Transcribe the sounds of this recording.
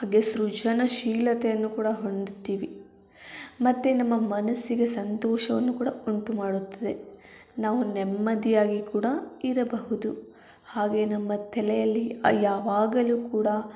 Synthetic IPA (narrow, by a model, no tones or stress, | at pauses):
haːɡe̞sɾud͡ʒɐnɐʃiːlɐt̪ɛjɐnːukuːɽɐɦoɳd̪ut̪ːiːʋi | mɐt̪ːenɐmːɐmɐnɐsiɡe̞sɐnt̪ɔːʃɐʋɐnːukuːɽɐuɳʈumaːɽut̪ːɐd̪e̞naːʋunɛmːɐd̪ijaːɡikuːɽɐiɾɐbɐɦud̪u | haːɡe̞ːnɐmːɐt̪ʰɛlɛjɐlːijaːʋaːɡɐluːkuːɽɐ